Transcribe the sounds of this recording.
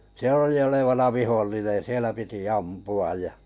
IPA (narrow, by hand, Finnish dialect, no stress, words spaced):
se oli oleʋɑnɑ ʋiholːinen̞ sielæ piti ɑmpuɑj jɑ